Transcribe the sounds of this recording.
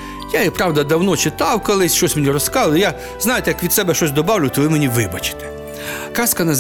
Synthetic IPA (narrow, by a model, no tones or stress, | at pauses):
jaipɾɑwd̪ɐd̪ɐwnɔt͡ʃɪt̪ɑwkɔlˠɪsʲʃt͡ʃɔsʲmʲenʲirɔskɑlʊlja | znɑjet̪ɛjɐkʋʲid̪sɛbɛʃt͡ʃɔsʲd̪ɔbɑwlʲʊt̪ɔʋɪmenʲiʋɪbɐt͡ʃɪ̥t̪ɛ̥ | kɑskɐnɐz